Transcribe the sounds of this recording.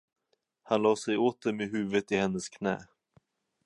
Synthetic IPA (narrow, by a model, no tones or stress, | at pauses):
hanlɑːsɛjoːt̪̚d̪ɛmeɦʉ̟ːvət̪ɪhɛnːəskʰnɛ̰ː